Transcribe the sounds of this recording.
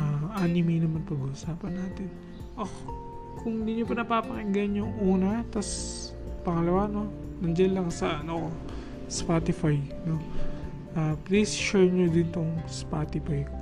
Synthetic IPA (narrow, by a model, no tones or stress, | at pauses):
ʔaʔaːnɪmɛjnɐmanpɐɡʊʔsaːpɐnːaːt̪ɪn | ʔo | kʊŋd̪ɪɲopɐnɐpaːpɐŋɪɡɐnjʊŋʔuːnɐt̪ɐs | pɐŋɐlɐwano̞nɐnd͡ʒɐlːɐŋsɐʔɐnɐko | spat̪ɪfaj | no̞ | ʔaːplejst͡ʃɛɹnod̪ɪnt̪oŋspat̪ɪfaj